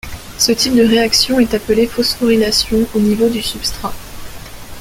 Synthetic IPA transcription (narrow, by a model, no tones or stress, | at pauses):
sət̪ip̚d̪əʁeaksjɔ̃ɛt̪apəlefɔsfɔʁilasjɔ̃onivod̪ysypst̪χa